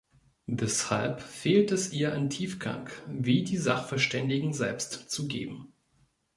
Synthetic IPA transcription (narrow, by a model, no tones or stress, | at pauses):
vɛsha̰lpfeːltɛsʔiːɐʔantʰiːfɡ̥a̰ŋkviːdiːzaχfɛɐʃtɛndɪɡŋ̩zɛlpstt͡suɡḛːbm̩